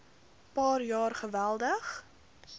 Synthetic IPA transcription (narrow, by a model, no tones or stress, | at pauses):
pɑːrjɑːrχəvælˠdəχ